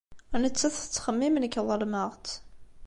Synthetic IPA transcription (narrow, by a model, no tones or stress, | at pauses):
ænət͡sːæθə̥t͡sːχəmːimnəkːðˤəlməʁt̪